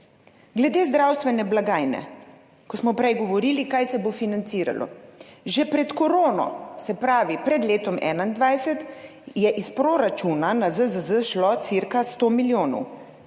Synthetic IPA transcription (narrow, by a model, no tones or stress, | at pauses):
ɡlɛd̪eːzd̪ɾawst̪ʋɛnɛblaɡaːjnɛ̰ | kɔsmɔpɾɛjɡɔʋɔɾiːlikajsɛbofinant̪siːɾa̰lʔɔ̰ʒɛpɾɛt̪koɾoːnɔ̰sɛpɾaːʋipɾɛd̪leːt̪ɔmʔɛ̰ːnaind̪ʋajsɛt̪ | jɛʔispɾoɾat͡ʃunanazəzəzəʃlɔt̪siɾkast̪oːmiljoːnɔ̰w